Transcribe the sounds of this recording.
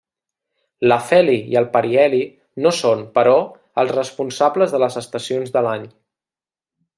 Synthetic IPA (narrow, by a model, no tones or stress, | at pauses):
ləfɛliḭəlˠpəɾiɛli | nosonpəɾɔ | əlˠzrəspunsabləzðələzəst̪əsionzðəlaɲ